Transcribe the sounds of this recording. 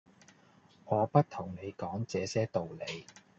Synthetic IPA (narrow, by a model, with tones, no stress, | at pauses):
ŋɔː˨˧pɐ˥t̚t̪ʰʊ˨˩ŋne˨˧jkɔː˨˥ŋt͡sɛː˨˧sɛː˥t̪o˨wle˨˧j